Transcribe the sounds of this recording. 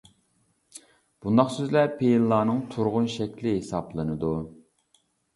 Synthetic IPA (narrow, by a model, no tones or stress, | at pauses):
b̥und̪ɑχsøzlɛpʰejilːˠɑːnɨŋt̪ʰuɾʁʊnʃɛkʲlɪɦesɑplˠɨnɨd̪u